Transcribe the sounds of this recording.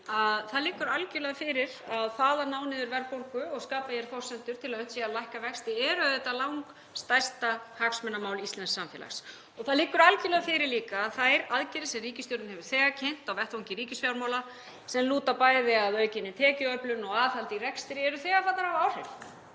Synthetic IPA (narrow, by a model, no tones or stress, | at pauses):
aðθaðliːkʏɾalcɪlɛɣfɪɾɪɾaðθaːðanaːwnɪðʏɾvɛɾpowŋkʏɔɣskaːpajɛɾ̥fɔr̥sɛnt̪ʏɾt̪ʰɪlaðœn̥t̪siːalajhkavɛkst̪ɪɛɾʏaðɛt̪ːalawŋk | st̪ajst̪ahaksmɛnːamaːwlist̪lɛnsːamfjɛ̰la̰xs | ɔɣθaðliːkʏɾalcɪlɛɣafɪɾɪɾliːkaːðθajɾaðcɛɾɪsɛriːcɪsjɔwɾt̪nɦɛvʏɾ̥θɛːɣacʰɛn̥t̪awvɛht̪vawŋcɪɾiːcɪsfjawɾmaːwla | sɛmluːt̪apaːjðɪaðœːɥcɪnːɪt̪ʰɛːcɪœplʏnɔɣaːðhalt̪iɾɛkst̪ɪɾɪɛɾʏθɛːɣafaːt̪aɾawaːwr̥ɛɾ